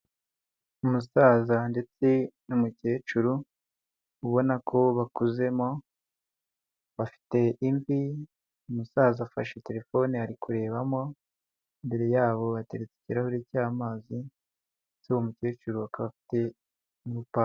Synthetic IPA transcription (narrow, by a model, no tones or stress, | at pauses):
umusazande̞t͡se̞numuce̞ːt͡ʃuɾu | uβo̞nakʰo̞βakuze̞mo̞ | βafi̥te̞ʔiɱvi | umusaːzafa̰ʃete̞ɾe̞fo̞niaɾikʰuɾe̞ːβamo̞ | imbe̞ɾe̞jaːβo̞βate̞ɾet͡se̥ciɾahoɾiːcaːmaːzi | et͡suβomuce̞ːt͡ʃuɾuakaβafi̥te̞ | ɾupa